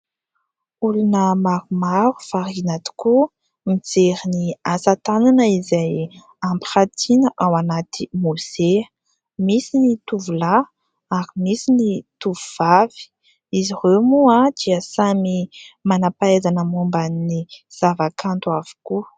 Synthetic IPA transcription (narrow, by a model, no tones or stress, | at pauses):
ulunəmaɾumaɾufaɾinat̪i̥ku | mid͡zeɾiniasat̪ananəizaj | ampiχat̪ʰinəʔawanat̪imozeə | misinit̪uvula | aɾimisinit̪uvuvavi̥ | iziremuad̪̥iəsamimanapaezanəmumbanːiz̥avakʰant̪uav̥u̥ku